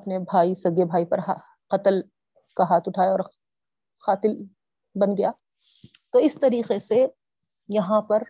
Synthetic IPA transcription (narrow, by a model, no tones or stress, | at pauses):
ɐpnebʱaːisɐɡebʱaːipɐɾɦa | qɐt̪əl | kaɦaːt̪ʰʊʈʰaːjeɔːɾ | xaːt̪ɪl | bɐnɡɐjaː | t̪oːɪst̪ɐɾiːqese | jɐɦãpɐɾ